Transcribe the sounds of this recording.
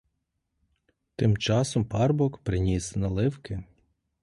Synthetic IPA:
t̪ɪmt͡ʃɑsɔmpɑrbɔkpɾɪnʲisnɐlˠɪwkɪ

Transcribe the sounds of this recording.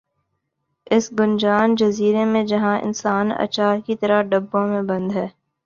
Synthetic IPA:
ɪsɡʊnd͡ʒaːnd͡ʒɐziːɾemẽd͡ʒɐɦãʔɪ̰nsaːnɐ̰t͡ʃaːɾkit̪ɐɾaɖɐbːõmẽbɐ̃nd̪ɦɛː

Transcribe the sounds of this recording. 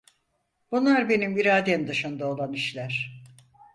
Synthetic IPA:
b̥unlˠaɾbe̞nimiɾaːd̪emd̪ɯʃɯnd̪aolˠaniʃlʲæɾ̥

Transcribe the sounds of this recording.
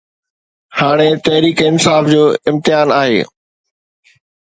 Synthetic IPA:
haːɽ̃et̪ɐɦɾiːkɪnsaːfd͡ʑoːɪ̃mt̪ɪjaːnaːɦḛː

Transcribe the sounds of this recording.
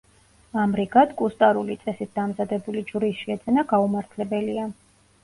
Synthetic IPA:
amɾiɡad̪kʼust̪ʼaɾulit̪sʼɛsit̪̚d̪amzad̪ɛbulid͡ʒɾiʃiɛd̪zɛnaɡaumaɾt̪ʰlɛbɛlia

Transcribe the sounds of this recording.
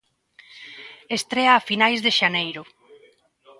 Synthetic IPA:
est̪ɾeaːfinajzðeʃanejɾʊ

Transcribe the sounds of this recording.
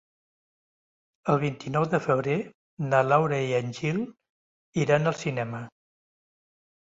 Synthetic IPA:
əlˠβ̞int̪inɔwðəfəβɾe | nalawɾəianʲʒilˠ | iɾanəlˠsinɛmə

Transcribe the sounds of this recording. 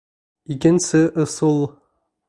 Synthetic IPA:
ikɘ̆nsɘʔŏsɤlˠ

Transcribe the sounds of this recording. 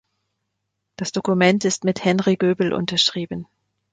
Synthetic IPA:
d̥asd̥okumɛntɪstmɪthɛnʁiɡøːbl̩ʔʊ̰ntɐʃʁ̥iːbən

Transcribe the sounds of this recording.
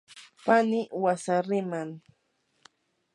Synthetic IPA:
panɪwasaɾɪmaŋ

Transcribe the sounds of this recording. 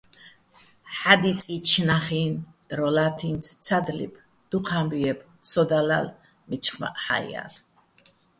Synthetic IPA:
ħad̪it̪ʼit͡ʃʰnaχiːn | d̪̥ɾɔlat̪ʰinsʰt͡sʰad̪lḭpʰ | d̪̥uqʰambiɛpʰ | sɔd̪ala̰l | mit͡ʃʰχma̰ʔħa̰j̰a̰l

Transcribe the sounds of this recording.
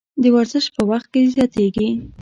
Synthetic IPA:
d̪əwaɾzəʃpəwaxt̪̚kezjɑt̪eɡi

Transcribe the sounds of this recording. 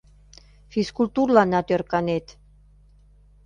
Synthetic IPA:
fiskult̪urlɑnɑt̪ørkɑnet̪

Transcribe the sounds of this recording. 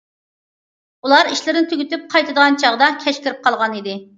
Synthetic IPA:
ulˠɑɾiʃlɪɾɪnɪt̪ʰyɡʲyt̪yp̚qʰɑjt̪ʰɨd̪əʁɑnt͡ʃʰɑʁd̪ɑkʲʰɛʃkʲɪɾɪp̚qʰɑlˠʁɑnid̪ɪ

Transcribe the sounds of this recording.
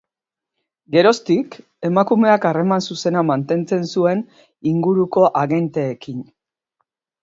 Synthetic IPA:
ɡe̞ɾo̞st̪ik | e̞makume̞akare̞mansuse̞namant̪e̞nt͡se̞nsue̞n | iŋɡuɾuko̞ʔaɣe̞nt̪eːkin

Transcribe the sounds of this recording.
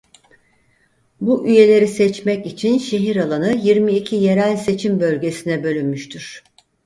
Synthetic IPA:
buʔyje̞lʲe̞ɾisɛt͡ʃmɛcit͡ʃʰinʃe̞ɦiɾalˠanɯjiɾmiːcʰije̞ɾælʲse̞t͡ʃʰimbø̞lʲɟe̞sinɛbø̞lʲynmyʃt̪ʰyɾ̥

